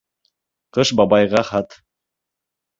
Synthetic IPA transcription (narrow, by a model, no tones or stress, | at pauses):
qɤʃbɑbɑjʁɑχɑt̪